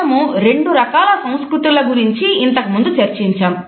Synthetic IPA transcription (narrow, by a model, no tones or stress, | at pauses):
ɐmuɾe̞ɳɖuɾɐkaːlɐsɐmskɾut̪ulɐɡuɾiɲt͡ʃiint̪ɐkɐmund̪ut͡ʃɐɾt͡ʃiɲt͡ʃaːm